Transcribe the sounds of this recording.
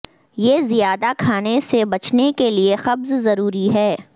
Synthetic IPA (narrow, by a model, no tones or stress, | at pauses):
jeːzijaːd̪akʰaːnesebɐt͡ʃnekeliexɐbzzɐɾuːɾiɦɛː